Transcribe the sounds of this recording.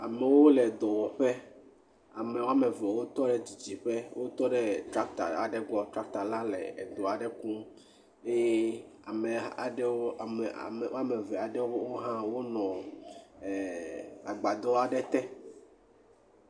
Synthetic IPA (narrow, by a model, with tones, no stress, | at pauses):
a˨mɛ˨wo˦le˨d̪ɔ˨wɔ˨ɸe˦ | a˨me˨wo˦a˦me˨vɛ˨wo˦t̪ɔ˦ɖe˦d͡ʑi˨d͡ʑi˨ɸe˦wʔo˦t̪ɔ˦ɖe˦t̪ɾa˦k̚t̪a̰˨a˨ɖɛ˦ɡ͡bɔ˦t̪ɾa˦k̚t̪a˨lã˦lḛ˨ḛ˨d̪ɔ˨a˨ɖe˦kũ˦m | e˦je˦ | a˨me˨a˨ɖe˦wo˦a˨m̰˨m˨o˦a˦me˨vɛ˨a˨ɖɛ˦wo˦wo˦ɦã˦wo˦nɔ̃˨ | a˨ɡ͡ba˨d̪ɔ˦a˨ɖɛ˦t̪ɛ˦